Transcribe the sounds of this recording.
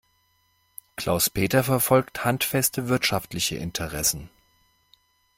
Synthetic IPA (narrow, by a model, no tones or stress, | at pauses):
kl̥ʔa̰ʊspʰeːtɐfɛɐfɔlkthantfɛstʰəvɪɐtʃaftlɪçə̰ʔɪ̰ntʰəʁɛsn̩